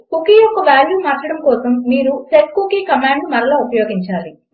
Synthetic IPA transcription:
kukiːjɔkːɐʋaːljuːmaːɾt͡ʃɐɽɐmkɔːsɐmːiːɾuseʈ̚kukiːkɐmaːɳɖmɐɾɐloːupɐjoːɡiɲt͡ʃaːli

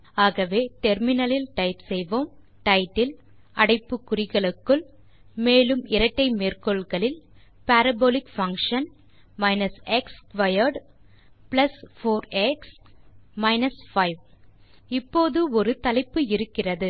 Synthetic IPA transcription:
aːɣɐʋeːʈɛɾmɪnɐlɪlʈɐɪt̪sɛjʋoːm | ʈɐɪʈːɪl | ɐɽɐɪpːɯkːʊrɪɣɐɭɯkːɯɭ | meːlɯmɪɾɐʈːɐɪmeːrkɔɭɣɐɭɪl | paːɾɐboːlɪkfɐŋkʂɐn | mɐɪnɐsɛkskʋɐjɐɾɖ | plɐsfoːɾɛksmɐɪnɐsfɐɪʋ | ɪpːoːðɯɔɾɯt̪ɐlɐɪpːɯɪɾɯkːɪrɐðɯ

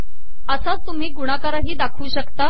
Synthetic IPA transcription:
əsat̪ːum̤iːɡuɽ̃akaɾaɦiːd̪akʰuːɕəkt̪a

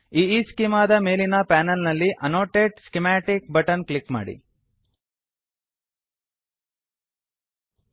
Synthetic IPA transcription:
iːiːskimaːd̪ɐme̞ːlinɐpaːnɐlnɐlːiʔɐnoːʈeːɖskimaːʈik̚bɐʈɐnklikma̰ːɽḭ

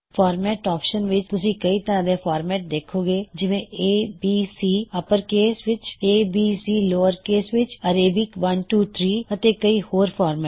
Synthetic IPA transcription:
pʰaːɾmɛːʈaːpʃənʋɪt͡ʃt̪ʊsĩːkəiːt̪əɾãːd̪eːpʰaːɾmɛːʈ̚d̪eːkʰoːɡeːd͡ʒɪʋẽːeːbiːsiːəpəɾkeːsʋɪt͡ʃeːbiːsiːloːəɾkeːsʋɪt͡ʃəːɾeːbɪkʋənʈuːt̪ʰɾiːət̪eːkəiːhoːɾpʰaːɾmɛː

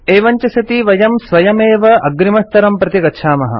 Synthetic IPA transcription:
eːʋɐɲt͡ʃɐsɐt̪iʋɐjɐmsʋɐjɐmeːʋɐʔɐɡɾimɐst̪ɐɾɐmpɾɐt̪iɡɐtːʃʰaːmɐɦɐ̰

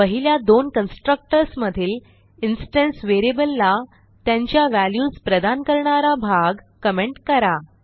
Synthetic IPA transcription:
pəɦiljad̪onkənsʈɾək̚ʈəɾsməd̪ʱiːl | insʈənsʋeɾiebəlːa | t̪jãɲt͡ɕjaʋæljuːspɾəd̪ankəɾɳaɾabʱaɡ | kəmeɳʈkəɾa

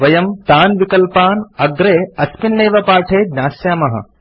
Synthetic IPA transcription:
ʋɐjɐmt̪aːnʋikɐlpaːnɐɡɾeːɐspinːeːʋɐpaːʈʰeːd̪nʲaːsjaːmɐɦɐ̰

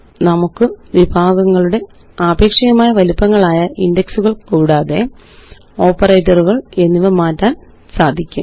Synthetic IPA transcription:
nɐmukːɨʋibʱaːɡɐŋːɐɭuɽe̞ | aːbʱe̞ːkʂɐɣɐmaːjɐʋɐlupːɐŋːɐɭaːjɐʔindeksuɣɐɭkuːɽaːðe̞ | o̞ːpːɐrejtːɐruɣɐɭe̞nːiʋɐmaːtːaːn | saːd̪ʱikʲːṵm

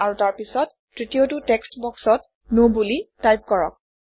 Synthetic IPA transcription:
aɹutaɹpisɔtː | ɹitijotutɛkstbɔksɔt | nobulitajp̚kɔɹɔ̰k̚

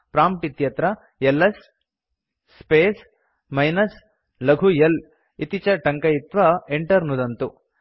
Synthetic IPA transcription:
pɾaːmʈit̪jɐt̪ɾɐ | elːɐs | peːs | mɐjnɐs | lɐɡʱujɐl | it̪it͡ʃɐʈɐŋkɐjit̪ʋɐeɳʈɐɾnud̪ɐnt̪u

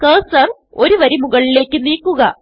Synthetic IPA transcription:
kɐːsɐr | o̞ɾuʋɐɾimuɣɐɭile̞ːkʲːɨniːkːuɣɐ

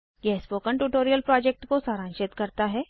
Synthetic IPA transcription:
ɡɛːspokəɳʈuːʈoːɾijəlpɾɔːd͡ʒek̚ʈkosaɾãːnʃet̪kəɾt̪aɦɛː

